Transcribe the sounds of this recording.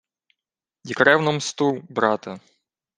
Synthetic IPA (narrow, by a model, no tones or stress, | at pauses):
jikɾɛwnɔmst̪ubɾɑt̪ɐ